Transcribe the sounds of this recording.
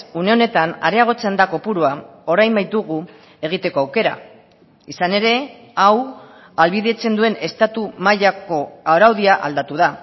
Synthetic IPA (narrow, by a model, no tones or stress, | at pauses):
une̞o̞ne̞t̪ana̰ɾe̞aɣ̞o̞t͡send̪ako̞puɾuao̞ɾajmbajt̪uɣ̞u | e̞ɣ̞it̪e̞ko̞awke̞ɾa̰ | isane̞ɾe̞ | aw | alβiðe̞t͡se̞nd̪ue̞ne̞st̪at̪umaʎako̞awɾawðiaʔa̰ld̪at̪uða